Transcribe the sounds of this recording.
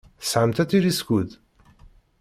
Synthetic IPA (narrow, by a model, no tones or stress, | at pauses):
sʕəmt̪æt̪iɾiskuð